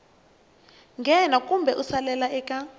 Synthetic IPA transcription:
ŋɡʱɛnakʼumbʱɛʔusalɛlaɛkʼa

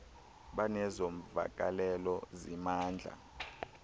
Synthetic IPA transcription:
ɓanɛzom̩va̰k̬ʼalɛlɔzimaːnd͡ɮʱa̰

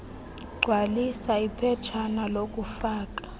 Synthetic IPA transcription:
ɡ͡ǀʱwalisaipʰɛt͡ʃʰanalok̬ʼufaːk̬ʼḁ

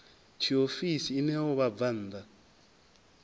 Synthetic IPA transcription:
t͡ʃʰiofisiːnɛwɔβab̪van̩ːd̪a

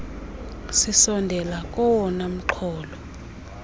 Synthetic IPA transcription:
sisɔndʱɛlakʼɔwɔnam̩ǃʰɔːlɔ

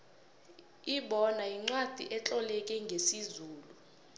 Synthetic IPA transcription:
iɓɔnaiŋ͡ǀwad̥ʱḭʔɛt͡ɬʼɔlɛk̬ʼɛŋɡʱesizuːlu

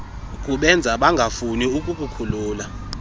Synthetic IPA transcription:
kʼuɓɛnd͡zʱaɓaŋɡʱafuniukʼukʰʼukʰuluːla

